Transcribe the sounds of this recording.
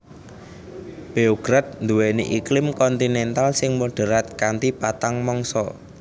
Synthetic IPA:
b̥eoɡɾat̪̚nd̪uweniʔiklɪmkɔnt̪inɛnt̪alsɪŋmoɖ̥ə̤ɾat̪̚kant̪ipat̪aŋmɔŋsɔ̰

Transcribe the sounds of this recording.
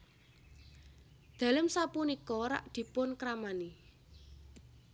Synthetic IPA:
d̪̥ä̤ləmsapunikɔɾa̰ʔd̪̥i̤pʊnkɾamani

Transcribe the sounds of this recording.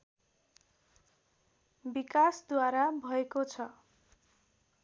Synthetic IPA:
bikasd̪waɾabʱʌekot͡sʰʌ

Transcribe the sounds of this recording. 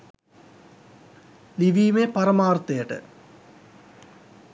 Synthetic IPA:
liʋiːmepɐɾɐmaːrt̪ɐjɐʈɨ̰

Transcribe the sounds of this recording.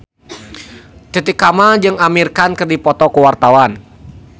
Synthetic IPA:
t̪it̪ikamad͡ʒɨŋamirkankɨrdipɔt̪ɔkuwart̪awan

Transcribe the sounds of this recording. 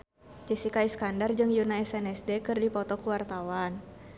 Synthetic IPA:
d͡ʒɛsikaiskandard͡ʒɨŋjunaɛsɛnɛsdɛkɨrdipɔt̪ɔkuwart̪awan

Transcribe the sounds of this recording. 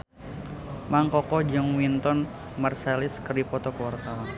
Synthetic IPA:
maŋkɔkɔd͡ʒɔŋwint̪ɔn | marselɪskərdipɔt̪ɔkəwart̪awan

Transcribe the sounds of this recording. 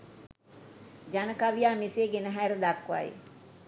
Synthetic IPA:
d͡ʒanəkaʋijaːmiseːɡenəɦæɾəd̪akʋa̰j̰

